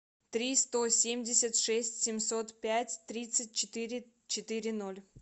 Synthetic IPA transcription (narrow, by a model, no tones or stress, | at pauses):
t̪ɾʲist̪osʲemʲdʲɪsʲət̪ʂɛsʲtʲsʲɪmʲso̞t̪pʲætʲt̪ɾʲit̪sɨt̚ʲt͡ɕɪt̪ɨɾʲɪ | t͡ɕɪt̪ɨɾʲɪno̞lʲ